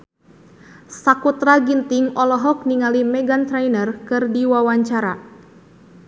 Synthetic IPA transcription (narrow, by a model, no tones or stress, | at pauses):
sakut̪ɾaɡint̪ɪŋɔlɔɦɔk̚niŋalimɛɡant̪ɾajnərkɨrdiwawaɲt͡ʃaɾa̰